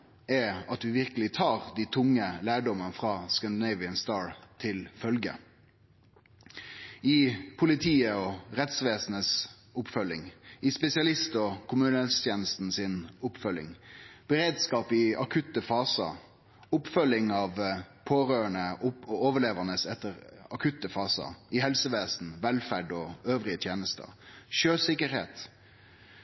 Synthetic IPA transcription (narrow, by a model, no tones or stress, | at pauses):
ɛɑt̪dʉʋɪʁkəlɪt̪ʰɑːʁd̪iːt̪ʰʊŋːəlæːɖɔmənəfʁɑːskænd̪ɪnɛɪʋɪənst̪ɑːɹt̪ʰɪlfœlɡə̰ | ɪpʰʊlɪt̪ʰiːəɔʁɛt̪sʋeːsnəs | ʊpfœlɪ̰ŋɪspɛsɪɑlɪst̪ɔkʰʊmʉːnəɛt̪st̪ʰjeːnəst̪n̩sɪnʊpfœlɪ̰ŋb̥əɾeːd̪skɑːpɪɑkʰʉt̪ːəfɑːsə̰ | ʊpfœlɪŋɑʋ | pʰoːɾøːəɳəʊoːʋəɭeːʋənəsɛt̪ːəɾɑkʰʉt̪ːəfɑːsə̰ɪhɛlsəʋeːsn̩ʋɛlfæɖɔøːʋɾɪət̪ʰjeːnəst̪ə̰ʃøːlsɪkəɾhḛːt̪